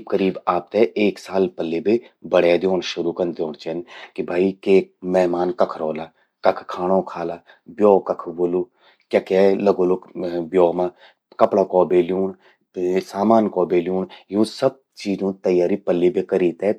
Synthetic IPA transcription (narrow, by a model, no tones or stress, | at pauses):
kəɾiːbaːp̚t̪ɛʔeːksaːlpəlːebebɐɽeːd̪joːnʃʊɾukɐnd̪jõːnt͡ʃenkibʱaːikeːk̚mɛɦmaːnkɐkʰɾɔːlaː | kɐkʰkʰaːɽõkʰaːlaː | bjoːkɐkʰboːlu | kjaːkalɐɡoːlokbjoːma | kɐpɽakɔːbeːljuːn | saːmaːnkɔːbeːljuːɳjũːsɐb̚t͡ʃiːzõt̪ɐjaːɾipɐlːibekɐɾiːt̪ɛ